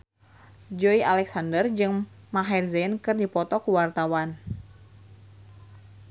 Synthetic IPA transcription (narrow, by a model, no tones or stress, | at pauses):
d͡ʒoialɛksandərd͡ʒɨŋ | maɦɛrzɛnkɨrdipɔt̪ɔkuwart̪awan